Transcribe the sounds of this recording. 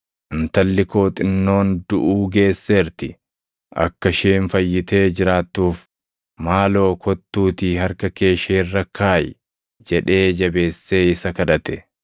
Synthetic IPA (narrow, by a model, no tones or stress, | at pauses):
ʔɪnt̪ɐlːɪko̞ːt̪ʼɪnːo̞ːnd̪ʊʔuːɡe̞ːsːeːɾt̪ɪ | ʔɐ̰kːɐʃeːnfɐjːɪt̪e̞ːd͡ʒɪɾaːt̪ːuːf | maːlo̞ːkʰɔt̪ːuːt̪iːhɐɾkɐke̞ːʃeːrːɐkʰaːj | d͡ʒɛᶑe̞ːd͡ʒɐbe̞ːsːe̞ːɪsɐkɐᶑɐt̪ɛ